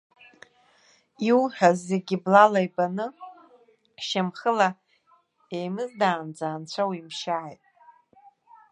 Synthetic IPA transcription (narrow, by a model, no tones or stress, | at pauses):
iwħᶣazeɡʲiblalajbanɨ | ʃamχəla | ejmɨzdaːnd͡zaːnt͡ɕʷʰawimʃaːjtʼ